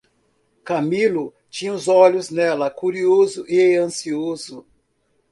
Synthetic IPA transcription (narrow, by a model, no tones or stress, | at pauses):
kɐmilʊ | t͡ʃĩɲɐʊzɔʎʊznɛlɐkuɾiozʊʔɪɐ̃siozʊ